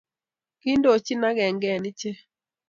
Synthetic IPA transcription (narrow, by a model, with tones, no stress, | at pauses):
ki˦ndo˦˨t͡ʃɪ˦na˦ɡɛ˨ŋɡɛ˨nɪ˦t͡ʃe˦